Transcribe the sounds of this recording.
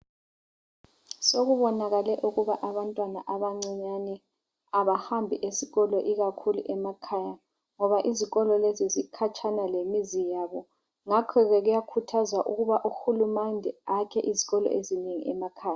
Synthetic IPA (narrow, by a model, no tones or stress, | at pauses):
soɣuβɔnaɣalɛʔuɣuβaʔaβantʼwanaʔaβaŋ͡ǀiɲanɛ | aβahambʱiʔesiɣɔlɔʔiɣakʰulṵʔɛmakʰaja | ŋɔβaʔiziɣɔlɔlezizikʰat͡ʃʰʼanalemizijaβɔ | ŋakʰɔɣɛɣujakʰutʰazwaʔuɣuβaʔuxulumandʱɛakʰɛʔiziɣɔlɔ̰ʔezineŋḭɛmakʰaːja